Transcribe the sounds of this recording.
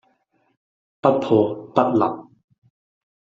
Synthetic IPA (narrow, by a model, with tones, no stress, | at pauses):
pɐ˦˥t̪̚p̪ʰɔ˨pɐ˦t̪̚la̰˨p̚